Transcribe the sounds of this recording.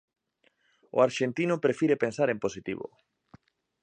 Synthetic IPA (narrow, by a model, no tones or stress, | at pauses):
o̰aɾʃent̪inʊpɾefiɾepensaɾemposit̪ḭβo̰